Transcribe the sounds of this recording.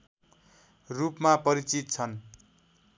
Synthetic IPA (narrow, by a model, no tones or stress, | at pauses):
rupmapʌɾit͡sit̪̚t͡sʰʌn